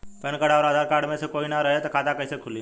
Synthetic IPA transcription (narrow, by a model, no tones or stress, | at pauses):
pənkəɽaɔɾaːd̪ʱaːɾkaːɾɖmẽsekoːinaɾəɦet̪ɔkʰaːt̪akəisekʰʊli